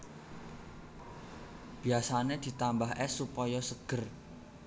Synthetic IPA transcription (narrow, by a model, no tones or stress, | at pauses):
b̥iasaned̪̥i̤t̪ambaɦʔɛsːupɔjɔsəɡ̥ə̤r